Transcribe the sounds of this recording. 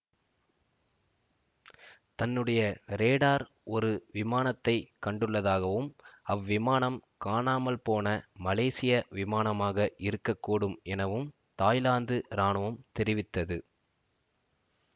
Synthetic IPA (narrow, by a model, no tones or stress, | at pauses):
t̪ɐnːɯɽɐjɐɾeːɽaːɾ | ɔɾɯʋɪmaːnɐt̪ːɐɪkɐɳɖɯɭːɐðaːɣɐʋɯmɐʋːɪmaːnɐmkaːnaːmɐlpoːnɐmɐleːsɪjɐʋɪmaːnɐmaːɣɐʔɪɾɯkːɐkːoːɽɯmʔɛnɐʋɯm | t̪aːjlaːnd̪ɯɾaːɳɯʋɐmt̪ɛɾɪʋɪt̪ːɐðɯ